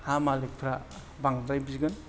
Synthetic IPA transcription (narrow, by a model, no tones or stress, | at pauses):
hamalek̚pʰɾa | baŋdɾajbiziɡɯn